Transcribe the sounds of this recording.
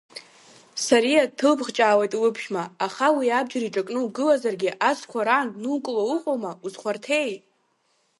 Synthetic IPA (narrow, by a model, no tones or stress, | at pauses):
saɾijatʰɨlpʰχt͡ʃʼaːwejtʼlɨpʰʃmaːχawiab̚d͡ʒaɾiʈ͡ʂʼakʼnɨuɡɨlazarɡʲɪʔat͡sʰʼkʷʰaɾanːukʼlauqʷʼowmauzχʷartʰe̞j